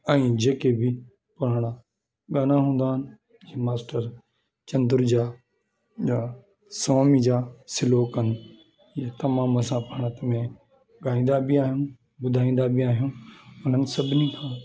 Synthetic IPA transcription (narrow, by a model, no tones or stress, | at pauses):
ɛ̃ːd͡ʑeːkʰebɪ | pʊɾ̤aːɽ̃a | ɠaːnaɦũːnd̪aːɦɪnɪ̆ | iːmaːsʈəɾ | t͡ɕɐ̃nd̪ɪɾd͡ʑaː | a | sɔːmid͡ʑaːsɪloːkənɪ̆ | jat̪ɐmãːməsãpaːɽ̃ət̪mẽ | ɠaːĩːn̆d̪abɪaːɦijũ | bʊd̪ʱaːĩːn̆d̪abɪaːɦijũʊn̤ənɪ̆sɐbʱɪnikʰãː